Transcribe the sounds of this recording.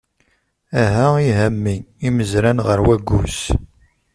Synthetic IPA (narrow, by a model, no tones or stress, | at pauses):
æɦæiɦæmːiiməzɾænʁəɾwæɡʷːṵs